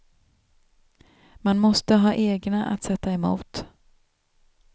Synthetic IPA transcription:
manmɔst̪əɦɑːʔeːɡnaʔa̰t̪sɛt̪ːaɛmṵːt̪

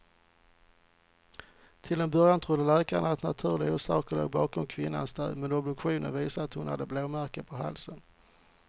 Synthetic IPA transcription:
t̪ʰɪlɛnbœɾjant̪ʰɾʊd̪ːəlɛːkaɳaat̪nat̪ʰʉ̟ːɾlɪɡɔsɑːkəlo̰ːɡ̚bɑːkɔmkʰvɪnːa̰nsd̪œ̰ːd̪mɛnɔbd̪ɵkɧuːnə̰nviːsaat̪hʊnha̰d̪ːəbloːmæɾkəpʰɔɦa̰lsən

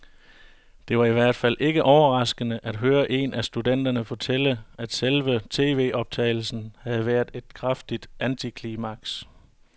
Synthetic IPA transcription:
d̥e̝ʋɑ̈iʋæɐ̰d̥fæl̰ʔe̝ɡ̥əʔɒʊɐʁɑ̈sɡ̥ənəʔæd̥ɦøːɐʔe̝nʔæsd̥ud̥en̰d̥ɐnəfɒ̽t͡sʰel̰əæd̥selʋət͡sʰe̝̰ːʋe̝̰ːʔɒ̽b̥̚t͡sʰɛ̰ɪl̩sn̩hæð̞̩ˠʋæɐ̰d̥e̝d̥̚kʰʁafd̥id̥ʔænt͡sʰikʰlimɑ̈ɡ̥s

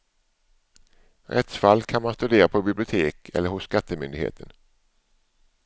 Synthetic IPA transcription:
ɾʔɛt̪sfalːkʰanmanst̪ɵd̪eːɾapʰɔbɪblɪʊt̪ʰeːkʰɛ̰lːəɾhʊsːkat̪ːəmʏnd̪ɪɡhḛːt̪ʰən

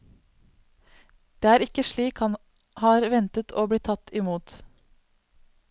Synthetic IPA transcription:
d̪̥eːæːɾɪkəʃɭiːkhɑn | hɑːɾʋɛnt̪ət̪ʰo̰ːblɪt̪ʰɑt̪ɪmuːt̪

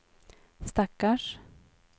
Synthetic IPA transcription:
st̪akːaʂ

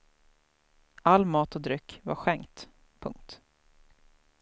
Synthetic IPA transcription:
alːmɑːt̪ɔd̪ɾʏkːva̰ɾɧɛŋt̪ | pʰɵŋk̚t̪

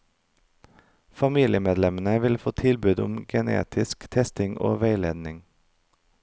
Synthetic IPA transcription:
fɑmiːlɪəmeːd̪lɛmənəʋɪlfoːt̪ʰɪlbʉd̪ʊ̰mɡənḛːt̪ʰɪskt̪ʰɛst̪ɪŋʔo̰ːʋeɪleːd̪nɪŋ

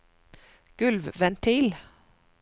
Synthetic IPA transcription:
ɡ̥ʉlʋʋɛnt̪ʰiːl

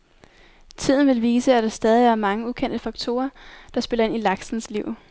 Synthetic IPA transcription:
t͡sʰið̞̰ˠn̩ʋe̝lʋiːsəæd̥ɑ̈sd̥ɛːð̞ˠiæɐmɑ̈ŋəukʰen̰d̥əfɑ̈ɡ̥t͡sʰo̝̰ːɐd̥ɑ̈sb̥e̝lɐe̝nilɑ̈ɡ̥sn̩sliʊ̰

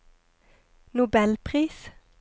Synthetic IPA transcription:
nʊbɛlpʰʁiːs

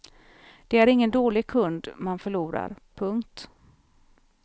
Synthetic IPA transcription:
d̪̥ɛæɾɪŋːənd̪oːlɪɡ̚kʰɵnd̪manfœɭuːɾa̰ɾpʰɵŋkt̪

